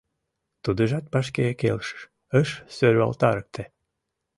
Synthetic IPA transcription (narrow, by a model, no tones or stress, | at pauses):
t̪ud̪əʒɑt̪̚pɑʃ̬kejekḛlʃə̥ʃ | əʃsøɾyɑ̰lt̪ɑɾək̚t̪ʰĕ